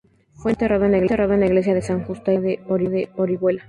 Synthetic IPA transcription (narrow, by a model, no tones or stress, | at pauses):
fwe̞nt̪eroβeneɣleroðeneɣle̞sjaðesaŋxust̪aðeoɾiðeo̞ɾiɣwela